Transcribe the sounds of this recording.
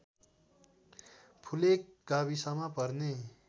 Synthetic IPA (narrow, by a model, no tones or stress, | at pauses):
pʰulek̚ɡabisamapʌɾne